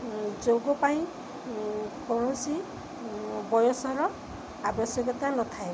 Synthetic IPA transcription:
d͡ʒoɡɔpaĩ | kɔɹ̃ɔ̃si | bɔjɔsɔɾɔ | abɔsjɔkɔt̪anɔt̪ʰaebɔ

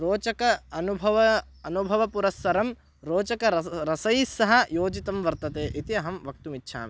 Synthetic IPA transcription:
ɾoːt͡ʃɐkɐɐnubʱɐʋɐ | ɐnubʱɐʋɐpuɾɐsːɐɾɐm | ɾoːt͡ʃɐkɐɾɐsɐjsɐɦɐjoːd͡ʒit̪ɐmʋɐɾt̪ɐt̪eːʔit̪iɐɦɐmʋɐk̚t̪umitːʃʰa̰ːme

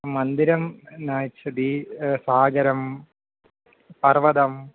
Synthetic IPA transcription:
mɐnd̪iɾɐmnaːt͡ɕːɐd̪isaːɡɐɾɐm | pɐrʋɐd̪ɐm

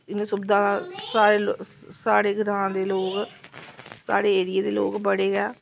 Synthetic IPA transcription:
ɪnẽːsʊbd̪ãːsaːɾeːl | saːɽeːɡɾãːd̪eːloːk | sa̰ːɽeːeːɾɪjeːd̪eːlo̰ːkbəɽeːɡɛː

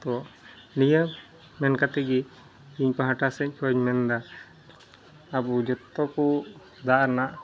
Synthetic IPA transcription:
t̪ɔ | nijə | mɛnkat̪ɛɡi | iɲpaɦaʈasɛɲ̚t͡ʃʰaɲmɛnd̪a | bud͡ʒɔt̪ːɔku | d̪aʔɾnaʔ

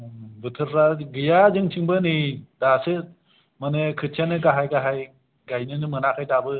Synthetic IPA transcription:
bɯtʰɯɾːaɡɯjazɯŋt͡ʃʰiŋbɯnɯdasɯ | manɯkʰɯtt͡ʃʰanɯɡaɦajɡaɦaj | ɡajnɯnɯmɯnakʰajdabɯ

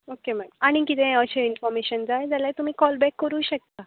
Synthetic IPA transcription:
okem̤aɡaɽ̃ikit̪ẽəɕeinfɔɾmeɕənd͡zajd͡zalajt̪um̤iːkɔlbɛkːəɾuːɕək̚t̪a

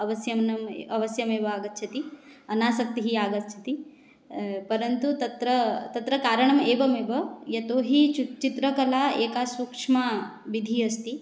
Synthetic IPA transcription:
ɐʋɐsjɐmnɐmɐʋɐsjɐmeːʋɐaːɡɐt̪t͡ʃʰɐt̪iɐnaːsɐk̚t̪iɦiaːɡɐt̪t͡ʃʰɐ̥t̪i | pɐɾɐnt̪ut̪ɐt̪ɾɐt̪ɐt̪ɾɐkaːɾɐɳɐmeːbɐmeːbɐjɐt̪oːɦit͡ʃut͡ʃit̪ɾɐkɐlaːeːkaːsuːkʂma | ʋid̪ʱiɐst̪i

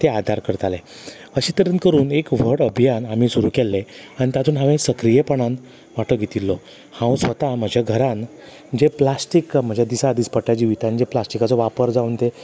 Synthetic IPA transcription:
t̪ead̪ʱaɾkəɾt̪ale | əɕit̪əɾənkəɾuːnekʋ̤əɽəbʱijanam̤isuɾuːkɛlːeanit̪jat̪ʰuːnɦãʋẽsəkɾijepəɳãn | ʋaʈəɡʱet̪ilːɔ | hãwsʋət̪am̤əd͡ʑʱaɡʱəɾan | d͡ʑeplasʈikm̤əd͡ʑʱad̪isaəd̪iːspəʈad͡ʑiʋit̪and͡ʑeplasʈikat͡sɔʋapəɾd͡zaunt̪e

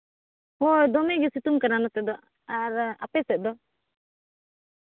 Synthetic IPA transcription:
hojd̪ɔmɛɡɛsit̪umkaɾanɔt̪ɛd̪ɔ | aɾa̰pɛsɛʔ̚d̪ɔ

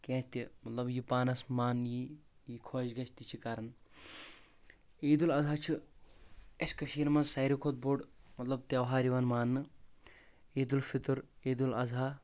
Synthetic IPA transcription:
kẽːt̪ʲimɐt̪lɐbjipaːnɐsmaːnjijikʰoːd͡ʒɡɐt͡ʃʰt̪it͡ʃʰikaːɾɐn | eːd̪ulɐzɦaːt͡ʃʰi | ɐsʲkɐʃiːɾmɐnzsɐːɾikʰot̪̚boɖmɐt̪lɐb̚t̪ɐwɦaːɾiʋɐnmaːnːɨ | eːd̪ulfit̪ɨɾeːd̪ulɐzaː

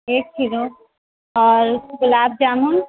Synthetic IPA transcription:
ek̚t͡ʃʰiɾo | ɔɾɡəlab̚d͡ʒamun

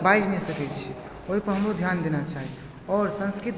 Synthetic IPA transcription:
baid͡ʒnɛsəkɛt͡ʃʰi | oɦipəɾɦə̃mɾod̪ʱjand̪enat͡ʃaɦi | ɔːɾsə̃nskɾɪt̪

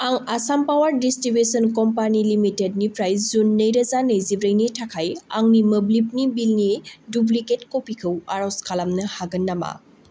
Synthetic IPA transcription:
aŋasampawaɾdistɾibusɔnkɔmpanilimited̚nipɾajzunːəjɾɐzanɐjzibɾɐjnitʰakʰaja̰ŋnimɐblip̚nibilnidubliketkɔpikʰɯwaɾɔwskʰalamnɐhaɡɯnːama̰

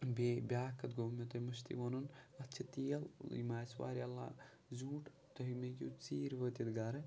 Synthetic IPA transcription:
beːbʲaːkːɐt̪̚ɡomet̪ɐmɐʃt̪ḭʋɐnunɐt͡ʃʰɐt̪iːlḭmaːswa̰ːɾʲalːa̰ː | zũːʈ | t̪ɐɦimekʲḭt͡siːɾʋət̪it̪ɡaːɾɐ

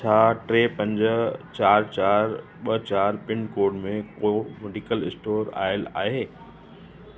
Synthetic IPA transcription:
t͡ɕʰaːʈɾeːpɐ̃ɲd͡ʑə̆t͡ɕaːɾt͡ɕaːɾ | ɓət͡ɕaːɾpɪɳkoːɖmẽkomʊɖikəlɪsʈoːɾa̰ːɪla̰ːɦeː

